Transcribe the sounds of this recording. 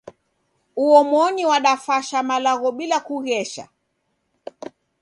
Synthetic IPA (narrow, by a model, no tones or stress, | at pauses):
uɔmɔniwaɗafaʃamalaɣɔɓilakuɣɛʃa̰